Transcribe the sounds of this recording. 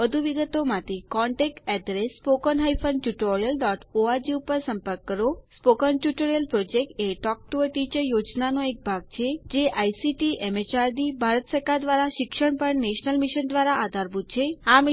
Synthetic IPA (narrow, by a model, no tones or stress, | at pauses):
ʋəd̪ʱuʋiɡət̪omãt̪ʰikɔ̃ɳʈek̚ʈɛd̪ɾesːpokənɦaifənɖʈjuʈoɾijəlɖɔʈoad͡ʒiupəɾsə̃mpəɾkːəɾospokənʈjuʈoɾijəlpɾod͡ʒek̚ʈeʈɔk̚ʈuəʈit͡ʃəɾjod͡ʒnanoek̚bʱaɡ̚t͡ʃʰed͡ʒeʔajsiʈiemet͡ʃaɾd̪ibʱaɾət̪səɾkad̪ʋaɾaʃɪkʃəɳpəɳneʃnəlmiʃənd̪ʋaɾaaːd̪ʱaɾbʱut̪̚t͡ʃʰeam